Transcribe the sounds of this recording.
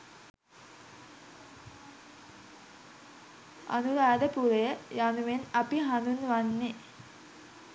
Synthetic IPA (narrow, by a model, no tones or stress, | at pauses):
ɐ̰nuɾaːd̪epuɾejanuʋenɐpiɦɐnunʋɐnːi